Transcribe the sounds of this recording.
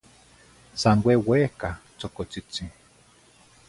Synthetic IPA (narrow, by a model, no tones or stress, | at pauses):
sanwewehkat͡sokot͡sit͡si